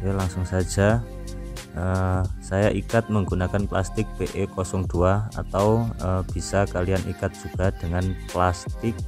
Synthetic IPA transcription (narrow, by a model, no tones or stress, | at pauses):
jalaŋsʊŋsḁd͡ʒ̥a̤ | ʔəsajaʔikat̪̚məŋɡunakanplast̪ɪk̚b̥eʔekɔsɔŋd̪̥uaa̰t̪awəb̥i̤sakalijanʔḭkat̪̚d̥ʒ̥uɡ̥a̤d̥əŋanplast̪ɪk̚